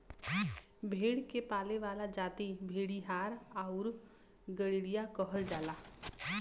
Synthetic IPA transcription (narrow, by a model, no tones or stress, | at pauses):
bʱeːɽkepaːleʋaːlad͡ʒaːt̪ibʱeːɽiɦaːɾaʊɾ | ɡəɽiɽijakəɦəld͡ʒaːlaː